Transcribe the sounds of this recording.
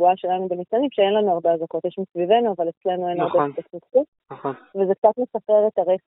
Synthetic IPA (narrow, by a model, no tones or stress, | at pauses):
uaʃelanubemisanimʃeenlanuaʁbeazako̞t̪jeʃmisvive̞nuavale̞t͡sle̞nue̞naʁbetotmittutnχovezek̚t͡sat̪mesapeʁet̪aʁeχ